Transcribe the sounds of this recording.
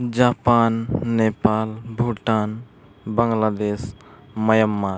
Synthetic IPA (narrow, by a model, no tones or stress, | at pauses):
d͡ʒaːpaːnːepaːlbʱuʈan | bəŋlaːd̪eːs | məjəmːaɾ